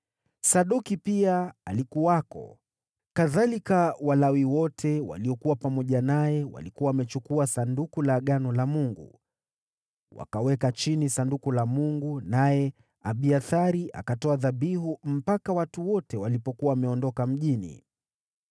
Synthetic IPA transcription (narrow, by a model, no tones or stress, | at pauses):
saɗukipiaalikuwakɔ̰ | kaðalikawalawiwɔtʰɛwa̰liɔkuwapamɔʄanajɛwa̰likuaːmɛt͡ʃukuasandukulaɠanɔlamuŋɡṵ | wa̰kawɛkat͡ʃinisandukulamuŋɡunajɛ | aɓiaθaɾiʔa̰katɔaðaɓiɦum̩pakawatuwɔtɛwalipɔkuawamɛɔndɔkam̩ʄinḭ